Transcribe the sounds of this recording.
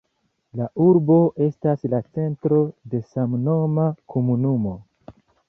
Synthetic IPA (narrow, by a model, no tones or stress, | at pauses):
laʔuɾbo̞ʔe̞staslat͡se̞ntɾo̞de̞samno̞makʰomunumo̞